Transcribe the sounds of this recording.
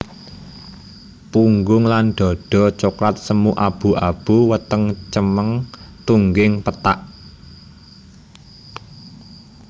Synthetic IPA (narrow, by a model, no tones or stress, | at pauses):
puŋɡʊŋlanɖ̪̥ɔ̤ɖ̥ɔ̤t͡ʃoklat̪̚səmuʔab̥ṳʔab̥uwət̪əŋt͡ʃəməŋt̪uŋɡɪŋpət̪aʔ